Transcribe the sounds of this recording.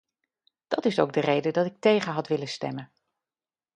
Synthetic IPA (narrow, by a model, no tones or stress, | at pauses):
d̥ɑtɪsowɡ̚dərejdədɑtɪk̚tejχənɦɑtʋɪləstɛ̰mən